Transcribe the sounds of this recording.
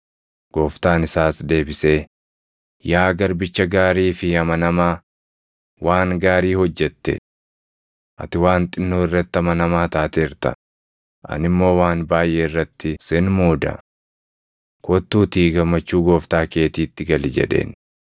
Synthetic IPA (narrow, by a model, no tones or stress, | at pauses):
ɡ̥o̞ːft̪aːnɪsaːsd̪e̞ːbɪseː | jaːɡɐɾbɪt͡ʃːɐɡaːɾiːfɪɐmɐnɐmaː | waːŋɡaːɾiːhɔd͡ʒːɛt̪ːɛ̰ | ʔɐ̰t̪ɪwaːnt̪ʼɪnːoːɪrːɐt̪ːɐmɐnɐmaːt̪aːt̪eːɾt̪ɐ̰ | ʔɐ̰nɪmːo̞ːwaːnbaːjʔeːɪrːɐt̪ːɪsɪnmoːd̪ɐ̰ | kʰɔt̪ːuːt̪iːɡɐmːɐt͡ʃːuːɡo̞ːft̪aːke̞ːt̪iːt̪ːɪɡɐlɪd͡ʒɛ̰ᶑḛːn